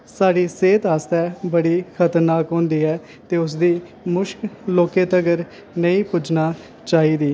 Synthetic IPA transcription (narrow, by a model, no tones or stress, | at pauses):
saːɽiːseːt̪aːst̪ɛːbəɽiːkʰət̪əɾnaːkɦõːnd̪iːɛː | t̪eːʊs̬d̪iː | mʊʃkloːkeːt̪əɡəɾ | nəĩːpʊd͡ʒnaː | t͡ʃaːiːd̪iː